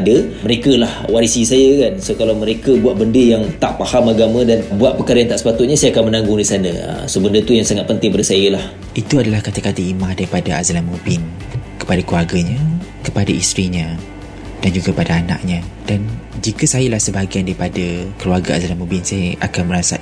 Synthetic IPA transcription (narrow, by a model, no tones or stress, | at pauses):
dəməɾekəlahwaɾisisajəkansokalawməɾekəbuaʔ̪̚bəndəjaŋt̪aʔpahamaɡamə̃danbuaʔ̪̚pəkaɾajaŋt̪aʔsə̥pat̪ʊt̪̚ɲasajaakanmənãŋɡʊŋdisanə̰̃ə̰səbəndət̪ujaŋsaŋat̪̚pənt̪ɪŋpadəsajəlah | ʔit̪uadalahkat̪akat̪əimãhdaɾipadaazalamubɪn | kə̥padakəluarɡaɲə̃kəpadaist̪ɾiɲə̃ | d̥and͡ʒuɡapadaana̰ʔɲãd̥and͡ʒikəsajəlahsəbaaɡiandaɾipadəkəluarɡaa̰zalamũbɪnsajəʔakanməɾasa̰